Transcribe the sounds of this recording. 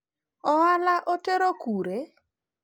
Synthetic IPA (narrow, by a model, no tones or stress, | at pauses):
ɔalaʔoteɾokuɾe